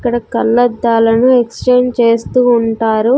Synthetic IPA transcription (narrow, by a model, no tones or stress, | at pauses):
kːɐɽɐkɐlːɐd̪ːaːlɐnueksʈeːɳɖt͡ʃe̞ːst̪uːɳʈaːɾu